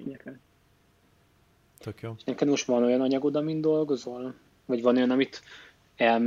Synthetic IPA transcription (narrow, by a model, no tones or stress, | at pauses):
ɲɛkɛn | t̪kjoːʃnɛkɛd̪mo̞ʃt̪vɒno̞jɒnɒɲɒɡod̪ɒmind̪o̞lɡo̞zo̞l | vɒɟvɒno̞jɒnɒmit̪ | ɛlm